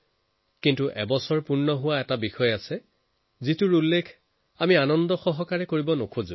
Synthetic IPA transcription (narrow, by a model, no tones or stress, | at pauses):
kintuʔɛbɔsɔɹpunːɔɦʊwaɛtabixɔjasɛ | zitʊɹulːekʰ | amianɔndɔxɔɦɔkaɹɛkoɹibɔnokʰozṵ̃